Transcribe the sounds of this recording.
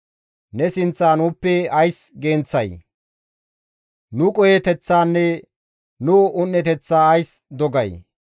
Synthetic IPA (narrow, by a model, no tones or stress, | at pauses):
nɛsɪnt͡sːaːnuːpːɛɐjsɡe̞ːnt͡sːɐj | nʊkʼɔjet̪ɛt͡sːaːnːɛ | nʊʊnːɛt̪ɛt͡sːaːɐjsd̪ɔɡɐj